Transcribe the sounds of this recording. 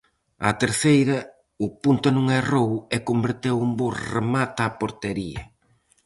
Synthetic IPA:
a̰t̪eɾθejɾɐ | ʊpunt̪ʊnũŋɛrowekombeɾt̪ewumbuɾremat̪apoɾt̪eɾiɐ

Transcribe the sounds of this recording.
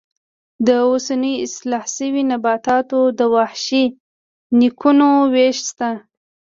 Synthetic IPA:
d̪əosanəjɪslɑhsəwinabɑt̪ɑt̪od̪əwaħʃi | nikʰunoweʃst̪a

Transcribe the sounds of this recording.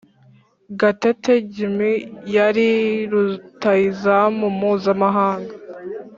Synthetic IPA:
ɡateteɟimijaɾiɾutaizamumuːzamaɦaːŋɡa

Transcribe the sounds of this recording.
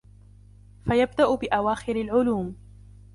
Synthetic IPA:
fajabd̪aʔʊbɪʔawaːxɪɾalʕʊluːm

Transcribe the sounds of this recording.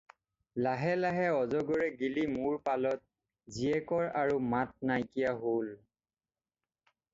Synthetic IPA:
laɦɛlaɦɛɔzɔɡɔɹɛɡilimuɹpalɔt̚ | ziɛkɔɹaɹumat̚najkijaɦol

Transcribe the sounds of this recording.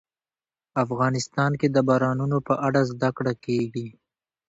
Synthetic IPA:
afɣɑnɪst̪ɑnked̪əbɑɾɑnunopəʔaɽazd̪akɽakeɡi

